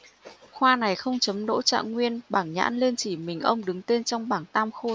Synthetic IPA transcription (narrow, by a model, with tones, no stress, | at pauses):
xwaː˧na˨˩jxə˧wŋ͡mt͡ɕə˨˦mɗo̰˧˥t͡ɕa̰ː˧˨ŋŋwi˧ənɓaː˧˩ŋɲa̰ː˧˥nli˧nt͡ɕi˧˩mï˨˩ŋ̟ʔə˧wŋ͡mɗɨ˨˦ŋt̪e˧nt͡ɕɔ˧wŋ͡mɓaː˧˩nt̪aː˧mxo˧